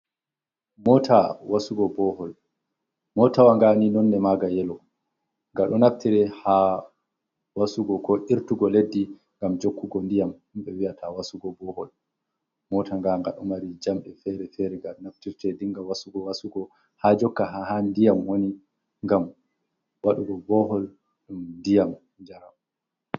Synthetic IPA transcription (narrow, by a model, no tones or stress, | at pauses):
mɔtʰawasuɡɔbɔhɔl | mɔtawaŋɡaninɔnːɛmaɡajɛlɔ | ŋɡaɗɔnaftiɾɛha | wasuɡɔkɔʔiɾtuɡɔledːi | ŋɡamd͡ʒokːuɡɔndijamhimɓɛwiatʰawasuɡɔbɔhɔ̰l | mɔtaŋɡaŋɡa̰ɗɔmaɾid͡ʒamɓɛfɛɾɛfɛɾɛɡaɗɔnaftiɾtɛdiŋɡawasuɡɔwasuɡɔ | had͡ʒɔkːaɦaɦandijamwoni | ŋɡam | waɗuɡɔbɔɦɔl | ɗumndijam | d͡ʒaɾam